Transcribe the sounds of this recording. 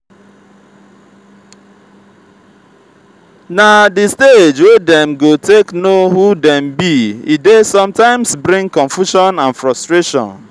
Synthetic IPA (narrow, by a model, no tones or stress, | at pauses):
nadisted͡ʒwedɛ̃mɡoteknoɦudɛmbiidesɔ̃mtãɪ̃msbɾĩŋkɔ̃ɱfjuʃɔnãnfɾɔstɾeʃɔ̰̃n